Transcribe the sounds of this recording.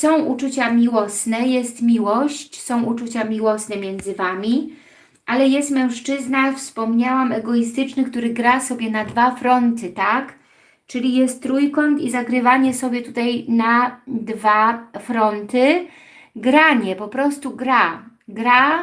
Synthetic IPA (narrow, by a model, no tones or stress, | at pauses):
sɔ̃w̃ʔut͡ʂut͡ɕamʲiwɔsnɛjɛst̪mʲiwɔɕt͡ɕsɔ̃w̃ut͡ʂut͡ɕamʲiwɔsnɛmʲjɛnd̪zɘvamʲi | ʔalɛjɛst̪mɛ̃w̃ʂt͡ʂɘznafspɔmɲawamɛɡɔis̬t̪ɘt͡ʂnɘkt̪uɾɘɡɾasɔbʲjɛnad̪vafɾɔnt̪ɘt̪ak | t͡ʂɘlʲijɛst̪t̪ːɾujkɔnt̪izaɡɾɘvaɲɛsɔbʲjɛt̪ut̪ajnad̪vafɾɔnt̪ɘ | ɡɾaɲɛpɔpɾɔst̪uɡɾaɡɾa